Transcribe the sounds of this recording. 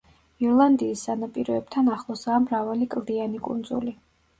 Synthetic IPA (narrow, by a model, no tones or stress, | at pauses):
iɔɾlˠand̪iːsːanapʼiɾɔɛb̚t̪ʰanaχlˠɔzaːmɾavalikʼlˠd̪ianikʼṵnd̪zṵli